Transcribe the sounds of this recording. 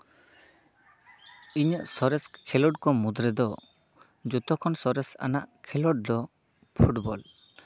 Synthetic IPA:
iɲəʔsɔɾɛskʰɛlɔʈkɔmud̪ɾɛd̪ɔ | d͡ʒut̪ɔkʰɔnsɔɾɛsa̰naʔkʰɛlɔɖ̚d̪ɔ | pʰuʈbɔl

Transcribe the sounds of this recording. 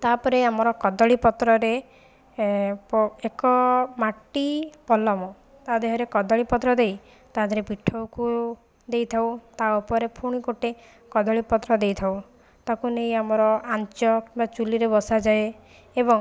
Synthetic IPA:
t̪apɔɾeamɔɾɔkɔd̪ɔɭipɔt̪ɾɔɾe | pɔekɔmaʈːipɔlɔmɔ | t̪ad̪eɦɔɾekɔd̪ɔɭipɔt̪ɾɔd̪ej | t̪ad̪ʱɔɾepiʈʰːɔwku | d̪ejt̪ʰawt̪aupɔɾepʰuɽ̃ikoʈe | kɔd̪ɔɭipɔt̪ɾɔd̪ejt̪ʰaw | t̪akunejamɔɾɔʔant͡ʃɔkĩmbat͡ʃuliɾebɔsad͡ʒae | ebɔŋ

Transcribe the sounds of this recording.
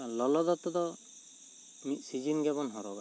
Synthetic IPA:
lɔlɔd̪ɔt̪ːɔd̪ɔ | misid͡ʒinɡɛbɔnɦɔɾɔba

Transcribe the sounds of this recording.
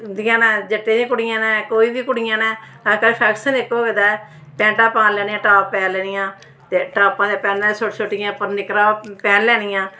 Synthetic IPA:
d̪ɪjãːnɛ̃ːd͡ʒəʈːeːd͡ʒẽːkʊɽɪjãːnɛ̃ːkoːiːbiːkʊɽɪjãːnɛː | kəɾpʰɛːkʃənekːoːʋed̪aːɛː | pɛ̃ːɳʈãːpãːlɛːnijãːʈaːpːɛːnlɛːnɪjãː | t̪eːʈaːpãːd̪ːpɛːnaːsoʈsoʈːɪjãːpəɾnɪkɾãːpɛːnlɛːnɪjãː

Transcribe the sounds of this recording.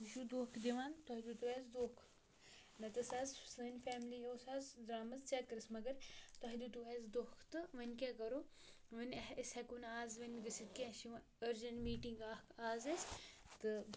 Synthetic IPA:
uʃud̪oːkʰd̪iʋaːnt̪oɦd̪ut̪uʋɛːzd̪oːkʰ | nɐt̪ɨsaːzsɐnʲfɛːmlijoːsaːzd̪ɾaːmɐzt͡ʃɛkɐɾɨsmɐɡɐɾt̪ɐɦd̪ut̪uʋɛːzd̪oːkʰt̪ɨʋɐnʲkʲakɐɾoː | ʋɐnsɛkunaːzʋɐnʲɡɐsit̪̚kiʃi | əɾd͡ʒɐnmiːʈiŋɡaːkaːzest̪ɨ

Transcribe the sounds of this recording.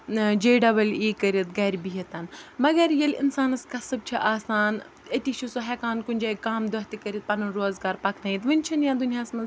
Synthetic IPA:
d͡ʒeːɖɐbɐliːkɐɾɐt̪ɡɐɾbiɦɐt̪ɐnmɐɡɐɾjɐlɪ̰nsaːnɐskɐsɐb̚t͡ʃʰiʔaːsaːn | ɐt̪it͡ʃʰusoɦɛːkaːnkʊnʲd͡ʒaːikaːmd̪ɐɦt̪ikɐɾʲit̪̚pɐnɐnɾoːzɡaːɾpɐkʰnɐːjit̪ʋɐnʲt͡ʃʰɐnjãːd̪ʊnijaːsmɐnz

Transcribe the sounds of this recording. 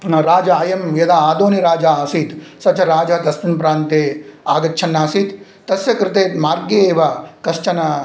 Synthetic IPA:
ɾaːd͡ʒɐaːjɐmjɐd̪aːaːd̪oːniɾaːd͡ʒaːɐsiːt̪sɐt͡ʃʰɐɾaːd͡ʒɐɦd̪ɐsminpɾaːnt̪eːaːɡɐːt͡ʃʰɐnːaːsit̪ | t̪ɐsjɐkɾɪt̪eːt̪maːɾɡjeeːʋakɐʃt͡ʃʰɐnɐ

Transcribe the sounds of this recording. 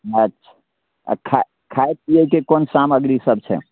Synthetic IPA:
ətːʃʰḁ̰ | kʰa | kʰaet̪̚iəikekonsaməɡɾisəb̚t͡ʃʰɛ̰

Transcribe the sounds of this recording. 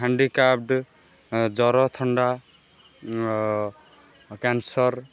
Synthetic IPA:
ɦaɳɖikab̚ɖ | d͡ʒɔɾɔt̪ʰɔɳɖa | kansɔɾ

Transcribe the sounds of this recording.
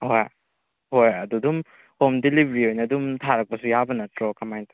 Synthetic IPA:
hoj | hojɐdudum | homdilibɾiojnɐdumtʰaɾɐk̚pɐsujabɐnɐtɾokamajntʰ

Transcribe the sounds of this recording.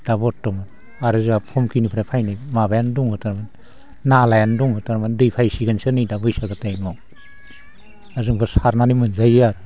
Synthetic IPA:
d̥abɔtːɔma | aɾɯzapʰɔmkinipʰɾapʰajnɯjmabajanduŋhɯtaɾman | nalajanduŋhɯtaɾmandɯjpʰajsiɡansɯnɯjdabɯjsalbatajmɔ | azɯŋbʰɯsaɾnanimɯnzajaɾ

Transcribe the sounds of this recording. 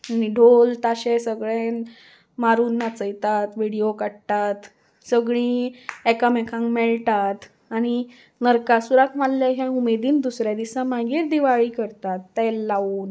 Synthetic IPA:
niɖʱolt̪aɕesəɡɭẽn | maɾuːnːat͡səjt̪at̪ʋiɽiokaɽt̪at̪ | səɡɭĩekamɛkʰãŋkmɛɭt̪at̪ | aɽ̃i | nəɾkasuɾakʰmalːjaɦjãumed̪iːnd̪usɾjad̪isãmaɡiːɾd̪iʋaɭiːkəɾt̪at̪ːɛllauːn

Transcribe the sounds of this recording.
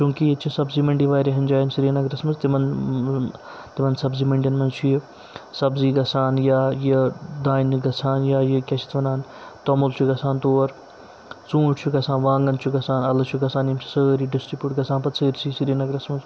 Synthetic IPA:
t͡ʃũːkijɐt͡ʃʰisɐbziːmɐɳɖiʋaːjɾiɦɐnd͡ʒaːjinsiɾinɐɡɾɐsmɐzt̪imɐn | t̪imɐnsɐbziːmɐɳɖiɐnmɐnt͡ʃʰi | sɐbziːɡɐsaːnjaːjɐd̪aːinɡɐsʰaːnjaːjikʲɐt͡ʃʰi̥t̪ʋɐnaːnt̪omolt͡ʃʰuɡɐsaːnt̪oːɾ | t͡sũːʈʰt͡ʃʰuɡɐsãːnʋãːŋɡɐnt͡ʃʰuɡɐsaːnɐlɐt͡ʃʰuɡɐsaːnjimt͡ʃʰi̥səːɾiɖɪsʈɾipʲjuːʈɡɐsaːnpɐt̪səːɾsʰiːsiɾiːnɐɡɾɐsmɐz

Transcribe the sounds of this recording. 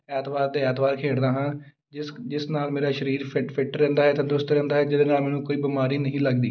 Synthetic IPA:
ɛːt̪baːɾt̪eːɛːt̪baːɾkʰeːɽd̪aːɦãː | d͡ʒɪsd͡ʒɪsnaːlmeːɾaːʃəɾiːɾpʰɪʈpʰɪʈɾɛ̃ːnd̪aːɦɛːt̪ãːd̪ʊst̪ɾɛ̃ːnd̪aːɦɛːd͡ʒɪd̪eːnaːmɛːnũːkoːiːbimaːɾiːnəɦĩːləɡd̪iː

